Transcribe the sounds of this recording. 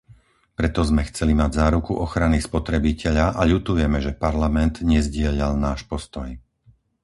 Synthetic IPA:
pɾɛt̪ɔzmɛxt͡sɛlimaɟzaːɾukuʔɔxɾanispɔt̪ɾɛbicɛʎaʔaʎut̪ujɛmɛʒɛpaɾlamɛnt̪ɲɛzɟɪɛʎalnaːʃpɔst̪ɔj

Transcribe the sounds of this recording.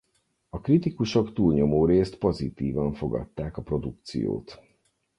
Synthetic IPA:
ɒkrit̪ikuʃo̞kt̪uːlɲo̞moːɾeːst̪po̞zit̪iːvɒɱfo̞ɡɒ̰t̪ːaːkɒpro̞d̪uk̚t̪sḭjo̰ːt̪

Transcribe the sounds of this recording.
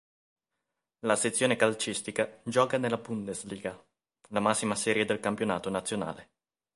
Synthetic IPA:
laset̪sːjoːnekalt͡ʃist̪ikad͡ʒɔːkanelːabund̪esliːɡa | lamasːimasɛːɾjed̪elkampjona̰ːt̪onat̪sːjona̰ːle

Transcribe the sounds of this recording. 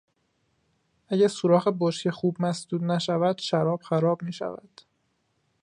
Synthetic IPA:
ʔæɟæɾsoɾɒːɣeboʃcʰexuːb̚mæsd̪̥uːd̪næʃævæd̪̥ʃæɾɒːb̥xæɾɒːbmiːʃæ̰væ̰d̪̥

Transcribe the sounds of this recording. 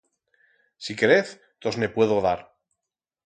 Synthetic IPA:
sike̞ɾeθ | t̪ozme̞pwe̞ðoðaɾ

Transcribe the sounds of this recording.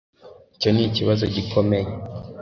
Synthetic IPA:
ico̞niciβazoɟikʰo̞meje

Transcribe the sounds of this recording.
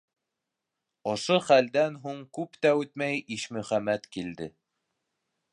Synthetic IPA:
ŏʃoχæld̪ænɦuɴkʉpt̪æʉt̪mæjʔiʃmɵ̆χæmæt̪kild̪ɘ

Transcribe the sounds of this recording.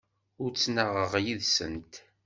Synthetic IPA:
ʊɾt͡sːnəʁəʁjiðsə̰nt̪

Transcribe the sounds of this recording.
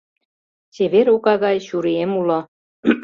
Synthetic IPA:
t͡ɕeβeɾukɑɣɑjɕuɾiemulo

